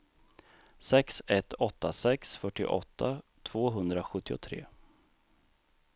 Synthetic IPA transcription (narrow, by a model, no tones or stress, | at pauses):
sɛksɛt̪ːɔt̪ːasɛksfœʈːɪ̰ʔɔ̰t̪ʰːat̪ʰv̥oːɦɵnd̪ɾaɧɵt̪ːɪʊt̪ʰɾḛː